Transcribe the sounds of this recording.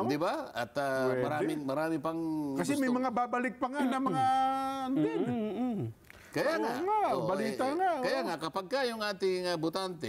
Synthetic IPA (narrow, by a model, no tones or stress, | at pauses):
d̪ibaa̰t̪aməɾamiməɾamipaŋkasimemaŋababalɪk̚paŋanamaŋant̪ɪ | kajaŋa̰ŋabalit̪aŋakajaŋakapaɡ̚kajoŋat̪iŋabut̪ant̪i